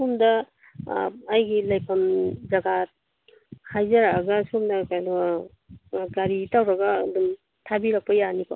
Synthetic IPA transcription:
sumdɐ | jɡilajkʰɐmzɐɡa | kʰajzɐɾaːɡasumdɐkajlɐ | ɡaɾitawɾɐɡɐːdum | tʰabiɾak̚pɐjanikɔ

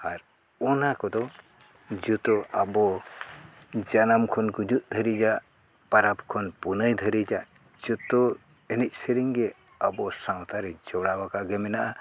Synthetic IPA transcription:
aɾ | ɔnakɔd̪ɔ | d͡ʒut̪ɔabɔ | d͡ʒanamkʰɔnɡud͡ʒuʔ̪̚d̪ʱəɾid͡ʒaʔ | paɾapkʰɔnpunəjd̪ʱəɾid͡ʒaʔ | d͡ʒut̪ɔ | ɛnic̚ˀsəɾiŋɡɛ | abɔsãwt̪aɾɛd͡ʒɔɽawakaɡɛmɛnaʔa

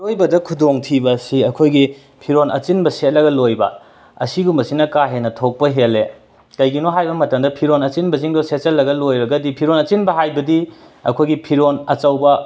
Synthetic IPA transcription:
ojbɐdɐkʰudoŋtʰibɐsiɐkʰojɡi | pʰiɾonʔɐ̰t͡ʃinbɐset̚lɐɡɐlojbɐ̰ | ɐ̰siɡumbɐsinɐkaɦenːɐtʰok̚pɐɦele | kɐjɡinoɦajbɐmɐtɐmdɐpʰiɾonɐt͡ʃinbɐziŋdoset̚t͡ʃɐlːɐɡɐlojbɐɡɐdipʰiɾonɐt͡ʃinbɐɦajbɐdi | ɐ̰kʰojɡipʰiɾonɐt͡ʃɐwbɐ

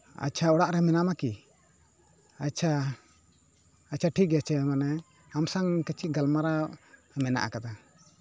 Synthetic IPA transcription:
a̰t͡ʃʰaɔɽaʔɾɛmɛnamaki | at͡ʃʰa | t͡ʃʰaʈʰikɡɛat͡ʃʰɛmanɛ | amsaŋkət͡ʃʰiʔɡalmaɾa | mɛna̰ʔa̰kad̪a

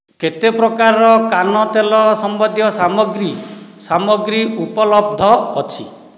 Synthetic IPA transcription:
ket̪epɾɔkaɾɔkanɔt̪elɔsɔmbɔd̪jɔsamɔɡɾisamɔɡɾiupɔlɔb̚d̪ʱɔːt͡ʃʰi

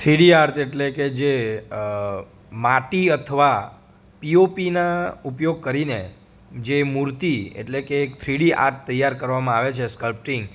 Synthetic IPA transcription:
t̪ʰɾiɽiaɾt̪ʰeʈleked͡ʒe | maʈiət̪ʰəʋa | piopinaupjoɡ̚kəɾine | d͡ʒemuɾt̪iḛʈlekeːkt̪ʰɾiɽia̰ɾt̪̚ʰt̪əjːaɾkəɾʋamãaʋet͡ʃʰeskəlp̚ʈiŋɡ

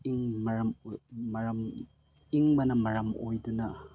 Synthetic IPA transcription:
iŋmɐɾɐmmɐɾɐm | iŋmɐnɐmɐɾɐmojdunɐ

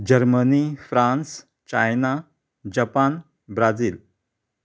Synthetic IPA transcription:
d͡ʑəɾmənifɾãns | t͡ɕajna | d͡ʑapan | bɾad͡ziːl

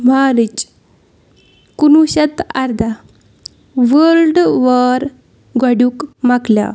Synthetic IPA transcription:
maɾit͡ɕ | kunuɕət̪aɾd̪a | ʋəɾɖʋəɾ | ɡaɽjuːkmaklja̰

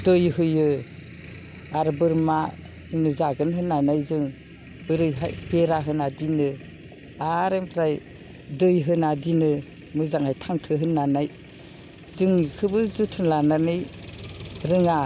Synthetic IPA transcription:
dɯjɦɯjɯ | aɾbɯɾma | inuzaɡɯnhɯnːanajzɯŋ | bɯɾɯjɦajb̥eɾaɦɯnadinɯ | aɾempʰɾaj | dɯjɦɯnadinɯ | mɯzaŋhajtʰaŋtʰɯɦɯnːanaj | zɯŋkʰɯbɯzɯtʰɯnlananɯj | ɾɯŋa

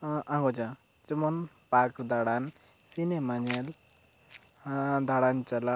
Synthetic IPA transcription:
ʔãŋɡod͡ʒã | d͡ʒimon | pakd̪aɽan | sinemaniel | d̪aɽant͡ʃala

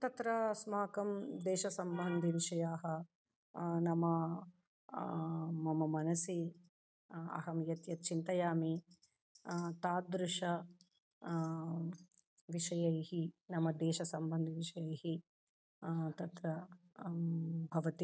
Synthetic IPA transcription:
t̪ɐt̪ɾɐsmaːkɐmd̪ɛːʃɐsɐmbɐnd̪ʱiʋiʂɐjaːɦɐ | nɐmɐ | mɐmɐmɐnɐsi | ɐ̰ɦɐmjɐt̪jɐt̪̚t͡ʃint̪ɐjaːmi | t̪aːd̪ɾuʂɐ | ʋiʂɐjɐjhinɐmɐd̪ɛːʃɐsɐmbɐnd̪ʱiʋiʂɐjɐjɦi | t̪ɐt̪ɾɐ | bʱɐʋɐt̪i

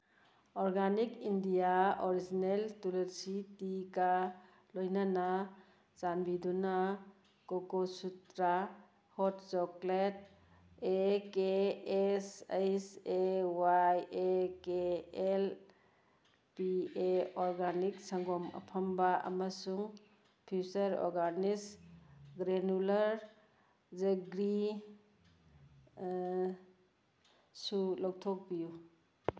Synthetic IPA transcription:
ɔɾɡanikindijaɔɾizineltulesitika | lojnanɐ | zanbiduna | kokosutɾa | hɔtt͡ʃɔklet̚ | ekeː | sajsewajekeel | pieɔɾɡaniksɐŋɡɔmɐ̰pʰɐmbaʔɐ̰mɐsuŋ | pʰusɐɾɔ̰ɾɡanisɡɾenulɐɾ | d͡ʒɐɡɾi | sulɔwtʰɔk̚biju

